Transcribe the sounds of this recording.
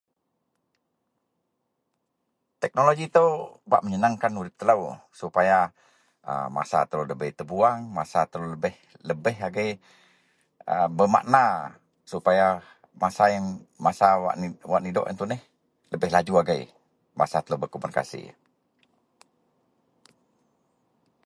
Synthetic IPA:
t̪ɛk̚noloɡit̪əwba̰ʔməɲənaŋkanuɾɪp̚t̪ːələwsupaja | ə̰ma̰sa̰t̪ələləbəjt̪əbuaŋmasat̪ələləbɪh | ləbɪɦaɡəj | əbəma̰ʔna | supaja | masajaŋmasaa̰ʔwaʔnidɔ̰ʔə̰nt̪unɪh | ləbɪɦlad͡ʒuaɡai | ma̰sat̪ələwbəkomunika̰sḭ

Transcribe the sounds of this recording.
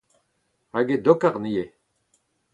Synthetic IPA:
aɡed̪okaʁnije

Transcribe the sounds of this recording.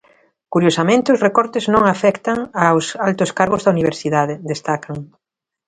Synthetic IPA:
kuɾjosamẽnt̪ɪʊzrekɔɾt̪ɪznõŋafɛkt̪aŋawsalt̪ʊskaɾɣʊzðɐuniβ̞eɾsiðaðɪd̪est̪akɐŋ

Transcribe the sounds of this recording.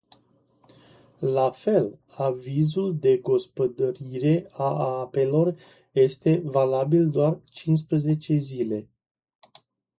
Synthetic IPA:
lafe̞l | avizuld̪e̞ɡo̞spəd̪əɾiɾe̞aape̞lo̞r | je̞st̪e̞valabild̪oart͡ʃins̬pɾeze̞t͡ʃe̞zile̞

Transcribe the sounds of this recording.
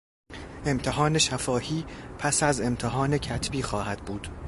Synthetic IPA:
ʔe̞mt̪ʰe̞ɦɒːne̞ʃæfɒːhiːpʰæsæze̞mt̪ʰeɦɒːne̞cʰæt̪ʰbiːxɒːhæd̪̥̚buːd̪̥

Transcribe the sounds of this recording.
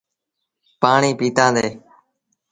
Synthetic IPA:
paːɳiːpiːt̪ãːd̪eː

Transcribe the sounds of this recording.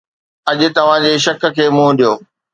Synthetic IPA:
ɐʄʊ̆t̪ɐʋ̤ãd͡ʑeːʃɐk̆kʰeːmũɗijoː

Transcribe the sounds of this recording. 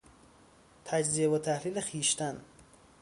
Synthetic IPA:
t̪ʰæd͡ʒzieβot̪ʰæhliːlexiːʃt̪æn

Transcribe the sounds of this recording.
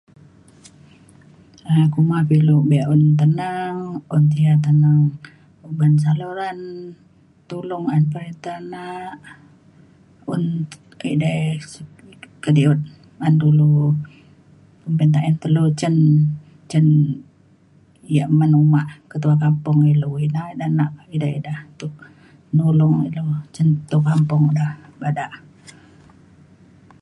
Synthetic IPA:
akumapiluʔbɛaʔunt̪̬ənəŋunt̪̬iat̪̬ənəŋ | ubans̬aluɾan | t̪ulʊŋanpəɾint̪anaʔ | un | idajskədiut̪̚ | andulu | pəmpənt̪aʔənt̪əlut͡ʃən | t͡ʃən | jaʔmənumaʔkət̪uakampʊŋiluinadanaʔidaidaht̪uʔ | nulʊŋilut͡ʃənt̪ukampʊŋdahbadaʔ

